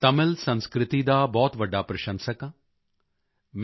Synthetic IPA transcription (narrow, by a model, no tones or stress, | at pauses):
t̪ɐmɪlsɐ̃nskɾɪt̪id̪aːbɔːt̪ʋɐɖːaːpɾɐʃə̃nsəkã | m